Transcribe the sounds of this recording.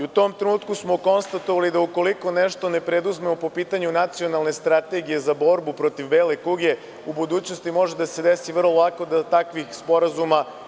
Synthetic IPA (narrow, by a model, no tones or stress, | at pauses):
iut̪o̞ːmt̪ɾenuːt̪kusmoko̞nst̪at̪oʋalid̪auko̞liko̞neʃt̪o̞ne̞pɾed̪uzme̞mopo̞piːt̪aɲunat̪sio̞nalˠne̞st̪ɾat̪e̞ɡije̞zabo̞ɾbupɾo̞t̪iʋbeːlekuɡe̞ | ubud̪uːt͡ɕno̞st̪imo̞ʒed̪ase̞d̪esiʋr̩lˠolˠako̞d̪at̪akʋixspo̞ɾazuma